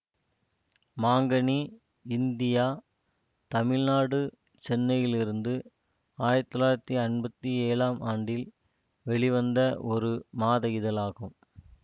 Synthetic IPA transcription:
maːŋɡɐɳi | ɪnd̪ɪjaː | t̪ɐmɪɻnaːɽɯ | t͡ʃɛnːɐjɪlɪɾɯnd̪ɯ | aːjɐɾt̪ːɪlaːjɪɾɐt̪ːiɐnbɐt̪ːieːɭaːmʔaːɳɖɪl | ʋɛɭɪʋɐnd̪ɐʔɔɾɯmaːðɐjɪðɐlaːɣɯm

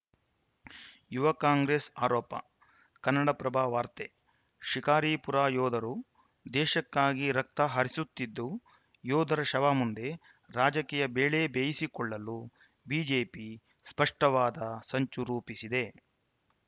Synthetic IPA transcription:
juʋɐkaːŋɡɾeːsaːɾɔːpɐ̰ | kɐnːɐɽɐpɾɐbʱaːʋaːɾt̪e | ʃikaːɾiːpuɾaːjɔːd̪ʱɐɾu | d̪ɛːʃɐkːaːɡiɾɐk̚t̪ɐɦɐɾisut̪ːid̪ːu | jɔːd̪ʱɐɾɐʃɐʋaːmund̪e̞ | ɾaːd͡ʒɐkiːjɐbeːɭebeːjisikɔɭːɐlu | biːd͡ʒeːpi | spɐʂʈɐʋaːd̪ɐsɐɲt͡ʃuɾuːpisid̪e̞

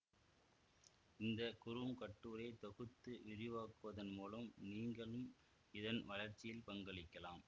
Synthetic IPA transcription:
ɪnd̪ɐkʊɾɯmkɐʈːuːɾɐɪt̪ɔɣɯt̪ːɯʔɪɾɪʋaːkɯʋɐðɐnmuːlɐmniːŋɡɐɭɯm | ɪðɐnʋɐlɐɾt͡ʃːɪjɪlpɐŋɡɐɭɪkːɐlaːm

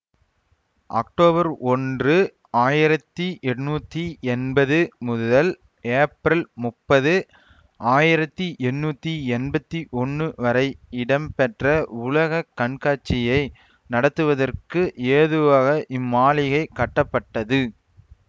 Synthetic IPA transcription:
ʔɐ̰k̚ʈoːbɐɾɔndrɯ | aːjɪɾɐt̪ːiʔɛrnuːt̪ːiɛnbɐðɯmʊððɐl | eːpɾɪlmʊpːɐðɯ | ʔaːjɪɾɐt̪ːiʔɛnːuːt̪ːiɛnbɐt̪ːiʔɔnːɯʋɐɾɐɪɪɽɐmpɛʈrɐʊlɐɣɐkːɐɳkaːʈt͡ʃːɪjɐɪ | nɐɽɐt̪ːɯʋɐðɐrkɯʔeːðɯʋaːɣɐʔɪmːaːlɪɣɐɪkːɐʈːɐpːɐʈːɐðɯ

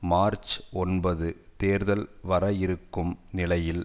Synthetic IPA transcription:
maːɾt͡ʃɔnbɐðɯt̪eːɾðɐlʋɐɾɐɪɾɯkːɯmnɪlɐjɪl

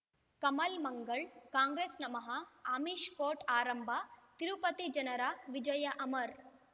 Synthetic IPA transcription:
kɐmɐlmɐŋɡɐɭkaːŋɡɾeːsnɐmɐɦɐaːmiːʃkoːʈaːɾɐmbʱat̪iɾupɐt̪id͡ʒɐnɐɾaːʋid͡ʒɐjɐʔɐmɐɾ

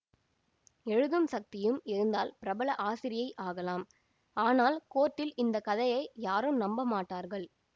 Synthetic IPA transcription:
ɛɻɯðɯmsɐk̚t̪ɪjɯmɪɾɯnd̪aːlpɪɾɐbɐɭɐʔaːsɪɾɪjɐɪʔaːɣɐlaːm | aːnaːlkoːʈːɪlɪnd̪ɐkɐðɐjɐɪjaːɾɯmnɐmbɐmaːʈːaːɾɣɐɭ

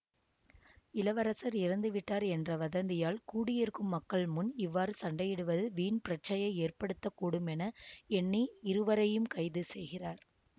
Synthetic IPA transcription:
ɪlɐʋɐɾɐsɐɾɪɾɐnd̪ɯʋɪʈːaːɾɛndrɐʋɐðɐnd̪ɪjaːlkuːɽɪjɪɾɯkɯmːɐkːɐɭmʊnɪʋːaːɾɯsɐɳɖɐjɪɽɯʋɐðɯʋiːnpɪɾɐt͡ʃɐjɐeːrpɐɽɯt̪ːɐkːuːɽɯmɛnɐɛnːiɪɾɯʋɐɾɐjɯmkɐɪðɯsɛjɣɪraːɾ

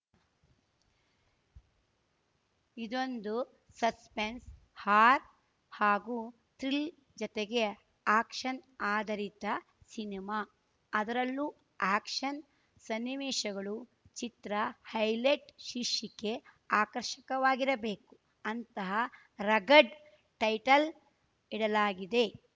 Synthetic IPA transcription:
id̪o̞nd̪u | sɐspens | haːɾ | haːɡu | t̪ɾil | d͡ʒɔt̪eɡe̞ | aːkʂɐnaːd̪ʱɐɾit̪ɐ | sinimaː | ɐd̪ɐɾɐlːu | aːkʂɐn | sɐnːiʋeːʃɐɡɐɭu | t͡ʃit̪ɾɐhɐjleʈʃiʃike | aːkɐɾʃɐkɐʋaːɡiɾɐbe̞ːku | ɐnt̪ɐɦɐ | ɾɐɡɐɖ | ʈɐjʈɐl | iɽɐlaːɡid̪e̞

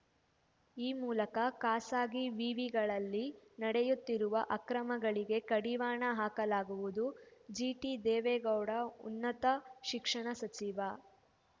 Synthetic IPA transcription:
iːmuːlɐkɐkaːsaːɡiʋiːʋiɡɐɭɐlːinɐɽejut̪ːiɾuʋɐʔɐkɾɐmɐɡɐɭiɡe̞kɐɽiʋaːɳɐɦaːkɐlaːɡuʋud̪ud͡ʒiːʈid̪ɛːʋɛːɡɐwɽɐṵnːɐt̪ɐʃikʂɐɳɐsɐt͡ʃiʋɐ

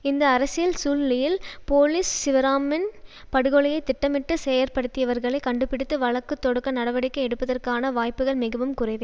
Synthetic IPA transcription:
ɪnd̪ɐːɾɐsɪjɪlsuːllɪjɪlpoːlɪsːɪʋɐɾaːmɪn | pɐɽɯɣɔɭɪjɐɪt̪ːɪʈːɐmɪʈːɯsɛjɐɾpɐɽɯt̪ːɪjɐʋɐɾɣɐɭɐɪkɐɳɖɯpɪɽɯt̪ːɯʋɐɭɐkːɯt̪ːɔɽɯkːɐnɐɽɐʋɐɽɪkːɐɛɽɯpːɐðɐrkaːnɐʋaːjpɯɣɐɭmɪɣɐʋɯmkʊrɐɪʋe

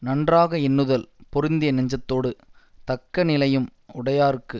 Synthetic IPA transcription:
nɐɳdraːɣɐɪnːɯðɐlpɔɾɪnd̪ɪjɐnɐɲd͡ʒɐt̪ːoːɽɯt̪ɐkːɐnɪlɐjɯmʊɽɐjaːɾɯkːɯ

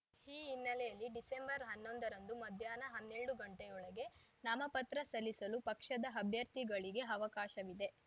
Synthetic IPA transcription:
hiːinːɐlɛjɐlːiɖise̞mbɐɾɦɐnːo̞nd̪ɐɾɐnd̪umɐd̪ʱjaːnɐɦɐnːeɭɽuɡɐɳʈejɔɭɐɡe̞nɐmɐpɐt̪ɾɐsɐlːisɐlupɐkʂɐd̪ɐɐbʱjɐɾt̪iɡɐɭiɡe̞ɐʋɐkaːʃɐʋid̪e̞

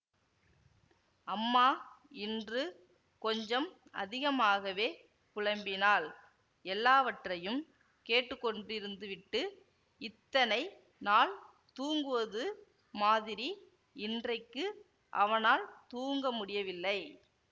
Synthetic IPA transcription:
ɐmːaːɪndrɯ | kɔɲd͡ʒɐm | ɐ̰ðɪɣɐmaːɣɐʋeː | kʊɻɐmbɪnaːl | ɛlːaːʋɐʈrɐjɯm | keːʈːɯkːɔɳɖrɪɾɯnd̪ɯʋɪʈːɯ | ɪt̪ːɐnɐɪ | naːl | t̪uːŋɡɯʋɐðɯ | maːðɪɾi | ɪndrɐɪkːɯ | ʔɐʋɐnaːlt̪uːŋɡɐmʊɽɪjɐʋɪlːɐɪ

